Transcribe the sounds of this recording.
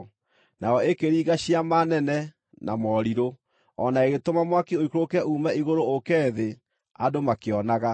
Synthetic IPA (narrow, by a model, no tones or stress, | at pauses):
naɔekeɾiːɣaɕiamanɛnɛ | nʔa̰mɔɾiɾo | ɔnaeɣetomamwakioikɾokɛʔumɛiɣoɾookɛðe | adomakeɔnaɣa